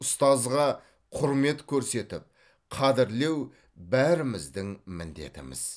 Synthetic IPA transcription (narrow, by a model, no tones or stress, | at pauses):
ʊst̪ɑzʁɑ | qʰʊɾme̞t̪kʲʰɵɾse̞t̪ɪp̚ | qʰɑd̪ɪɾle̞w | bæɾɪmɪzd̪ɪŋmɪnd̪e̞̰t̪ɪmɪ̰z̥